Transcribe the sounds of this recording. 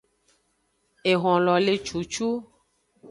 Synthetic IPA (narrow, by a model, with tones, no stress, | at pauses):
e˨ɣɔ̃˨lɔ˨le˨t͡ʃu˨t͡ʃu˦